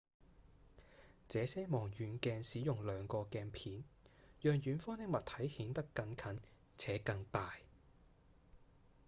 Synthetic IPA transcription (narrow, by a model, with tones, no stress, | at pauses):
t͡sɛː˨˧sɛː˥mɔː˨˩ŋjyː˨˧nkɛː˧nsiː˨˥jʊ˨ŋlœː˨˧ŋkɔː˧kɛː˧npʰiː˨˥njœː˨˧ŋjyː˨˥nfɔː˥nɪ˥ŋ̚mɐ˨t̪ʰɐ˨˥jhiː˨˥nt̪ɐ˥kːɐ˨˧ŋkʰɐ˨˥n | t͡sʰɛː˨˥kɐ˧ŋt̪aː˨j